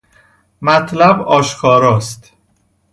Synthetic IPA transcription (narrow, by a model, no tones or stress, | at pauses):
mæt̪ʰlæbɒːʃkʰɒːɾɒːst̪